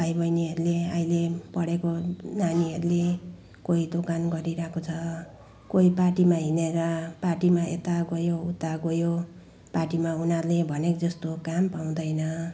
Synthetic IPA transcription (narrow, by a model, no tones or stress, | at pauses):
pajbʌjniɦʌɾuleaĩlepʌɽekonaniɦʌɾule | koid̪okanɡʌɾiɾakʰot͡sʰʌ | koiparʈimaɦineɾʌparʈimaḛt̪aɡʌjout̪aɡojo | parʈimaunʌɾlebʱʌnekd͡zʌst̪okampaw̃d̪ʌjnʌ